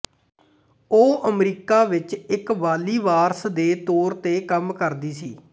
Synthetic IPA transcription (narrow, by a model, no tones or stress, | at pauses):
oːʔəmɾiːkaːʋɪt͡ʃɪkʋaːliːʋaːɾsd̪eːt̪oːɾt̪eːkəmkəɾd̪iːsiː